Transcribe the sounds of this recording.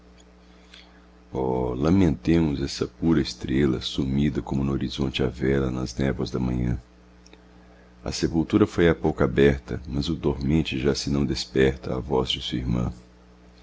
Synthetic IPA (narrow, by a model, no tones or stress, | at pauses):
ɔlɐ̃mẽnt̪ẽmʊzɛsɐpuɾɐɪst̪ɾelɐsumid̪ɐkõmʊ̃noɾizõnt͡ʃɪavɛlɐnɐznɛvɐzd̪ɐmɐ̃ɲɐ̰̃ | ɐ̰sepuwt̪uɾɐfojapowkabɛɾt̪ɐmɐzʊd̪oɾmẽnt͡ʃɪʒasɪnɐ̃w̃d̪espɛɾt̪ɐavɔzd͡ʒɪsuɐiɾmɐ̰̃